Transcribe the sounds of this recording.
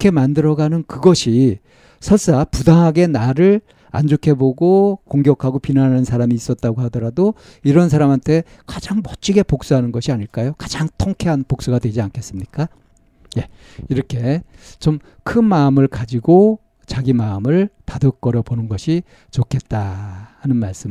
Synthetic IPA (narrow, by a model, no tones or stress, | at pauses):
kʰe̞mandɯɾʌɡanɯnkɯɡʌɕʰi | sʰʌɭs͈apudaŋɦaɡe̞naɾɯɭ | a̰nd͡ʑokʰe̞boɡokoŋɡjʌkʰaɡopinanɦanɯnsʰaɾamiːs͈ʌt̚t͈aɡoɦadʌɾado | iɾʌns̬ʰaɾamɦantʰe̞ | kad͡ʑaŋmʌt͡ɕ͈ʰiɡe̞pok̚s͈uɦanɯnɡʌɕʰiaɲiɭk͈ajokḁd͡ʑaŋtʰoŋkʰe̞ɦanpok̚s͈uɡadwe̞d͡ʑiankʰe̞s͈ɯmɲik͈a | je̞ | iɾʌkʰe̞t͡ɕom | kʰɯnmaɯmɯɭkad͡ʑiɡo | t͡ɕaɡimaɯmɯɭtadʌk̚k͈ʌɾjʌbonɯnɡʌɕʰi | t͡ɕokʰe̞t̚t͈ahanɯnmaɭs͈ɯm